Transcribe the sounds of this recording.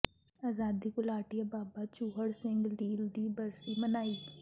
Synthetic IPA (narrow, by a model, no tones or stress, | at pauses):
aːzaːd̪ikʊlaːʈijabaːbat͡ʃuːɦəɽsɪ̃ŋɡɖiːlɖ̪ibɐɾsimɐnaːiː